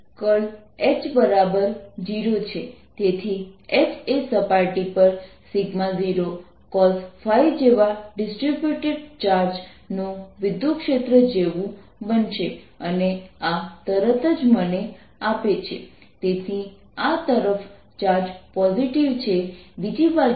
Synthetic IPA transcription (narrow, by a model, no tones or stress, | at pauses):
kəɭ | et͡ʃbəɾabəɾd͡ʒiɾot͡ʃʰet̪et̪ʰiet͡ʃesəpaɾʈipəɾsiɡmaziɾo | kɔlsfʰajd͡ʒeʋaɖɪsʈɾibjuʈeɖt͡ʃaɾd͡ʒ | nuʋɪd̪jukʃet̪ɾəd͡ʒeʋũ | bənʃeəneat̪əɾət̪əd͡ʒməne | apet͡ʃʰḛ | t̪et̪ʰi | at̪əɾəf | t͡ʃaɾd͡ʒpɔziʈiʋt͡ʃʰeʋid͡ʒiba